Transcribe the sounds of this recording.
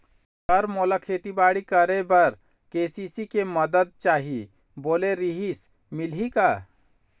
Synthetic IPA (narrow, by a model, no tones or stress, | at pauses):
əɾmoːlakʰeːt̪ibaːɽikəɾebəɾ | keːsisikeməd̪əd̪̚t͡ʃaːɦi | boːleɾiɦis | mɪlɦikaː